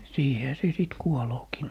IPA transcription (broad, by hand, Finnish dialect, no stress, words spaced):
siːhehæ se siˑt kuoloːkiː